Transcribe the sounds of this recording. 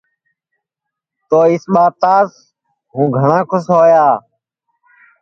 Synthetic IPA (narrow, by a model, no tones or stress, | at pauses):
t̪oːɪsɓaːt̪aːs | ɦũːɡʱəɳãːkʰʊsɦoːjaː